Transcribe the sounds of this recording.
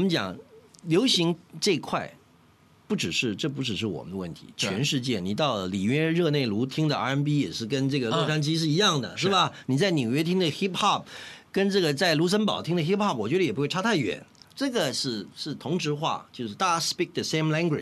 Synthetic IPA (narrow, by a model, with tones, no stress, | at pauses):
wɔ˨˩mə˦nt͡ɕjɑ̰˨˩ŋljo˧˥ʊɕi˧˥ŋʈ͡ʂɤ˥˧i˧˥kʰwa˥˧ɪ | pu˥˩ʈ͡ʂɻ̩˨˩ʂɻ̩˥˧ʈ͡ʂɤ˥˩p̬u˧˥ʈ͡ʂɻ̩˨˩ʂ̬ɻ̩˥˩wɔ̰˨˩mə˦nd̪ə˦wə̰˥˩nt̪ʰḭ˧˥t͡ɕʰɥɛ˧˥nʂɻ̩˥˧t͡ɕjɛ˥˩ni˨˩t̪ɑ˥˩ʊli˨˩ɥɛ˥ɻɤ˥˧ne˥˩ɪlu˧˥t̪ʰi˥ŋd̪ə˨a̰˧˥ə˥npi˥jɛ̰˨˩ʂɻ̩˥˩kə˥nʈ͡ʂɤ˥˩ɡə˩lɤ˥˧ʂʰa˥nt͡ɕi˥ʂ̬ɻ̩˥˩i˧˥jɑ˥˩ŋd̪ə̰˩ʂɻ̩˥˩bɐ˩ni˨˩t͡sa˥˩ɪnjo˨˩ʊɥɛ˥t̪ʰi˥ŋd̪ə˨xi˥pxɑ˥˩p̚kə˥nʈ͡ʂɤ˥˩ɡə˩t͡sa˥˩ɪlu˧˥ʂ̬ə˥npɑ̰˨˩ʊt̪ʰi˥ŋd̪ə˧xi˥pxɑ˥˩p̚wɔ˨˩t͡ɕɥɛ˧˥d̪ə˧jɛ˨˩pu˧˥xwe˥˩a˥t̪ʰa˥˩ɥɛ̰˨˧˩nʈ͡ʂɤ˥˩ɡə˩ʂɻ̩˥˩ʂɻ̩˥˩t̪ʰʊ˧˥ŋʈ͡ʂɻ̩˧˥xwa̰˥˧t͡ɕjo˥˧ʊʂɻ̩˥˧˩t̪a˥˩spi˥˩k̚d̪ə˨˩se˥ɪmla˥ŋɡwɪ̰˨˩